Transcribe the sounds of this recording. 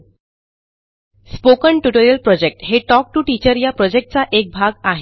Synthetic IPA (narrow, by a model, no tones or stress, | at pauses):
spokəɳʈuʈoɾijəlpɾɔd͡ʑek̚ʈɦeʈɔk̚ʈuʈit͡ɕəɾjapɾɔd͡ʑek̚ʈ̚t͡saʔek̚bʱaɡaɦe